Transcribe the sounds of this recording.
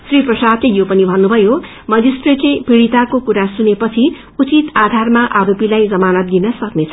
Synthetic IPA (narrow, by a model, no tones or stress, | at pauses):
sriprʌsad̪lejopʌnibʱʌnːubʱʌjo | mʌd͡zisʈreʈepiɽit̪akokuɾasunepʌt͡sʰi | ut͡sit̪ad̪ʱarmaʔaɾopilajd͡zʌmanʌt̪̚d̪inʌsʌknet͡sʰʌ